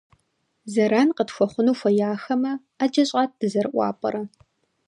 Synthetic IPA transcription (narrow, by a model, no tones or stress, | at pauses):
zɐɾaːnqətxʷɔχʷʊnuːfʷɐjaːxɐmɐ | ad͡ʒɐɕʼaːt̚d̥ɨzɐrɨʔʷɑ̰ːpʼɐ̰ɾɐ